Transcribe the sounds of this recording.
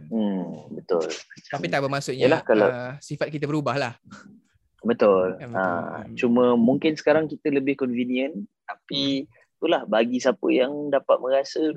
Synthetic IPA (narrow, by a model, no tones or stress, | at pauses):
bət̪ʊ̰lmat͡ʃaamit̪abəmasʊʔɲəlahkalasifat̪̚kit̪̬əbəɾubahlah | bət̪ʊla̰t͡ʃumə̃muŋkɪnsə̥kaɾaŋkit̪ələbɪhkɔnviniə̃nt̪api | t̪ulahbaɡisapə̰jaŋdapat̪̚mə̃ɾasə